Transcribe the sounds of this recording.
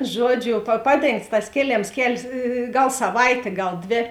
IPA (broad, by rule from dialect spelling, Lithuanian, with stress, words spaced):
ˈʒuɔˌd͡ʒʲʊ pɐ ˈpɑːˌdʲeːŋkts tɐs ˈkʲeːˌlʲeːms ˈkʲɛlʲsʲ ˈɡɐlˠ sɐˈʋɐɪtʲeː ˈɡɐlˠ ˈdʲʋʲeː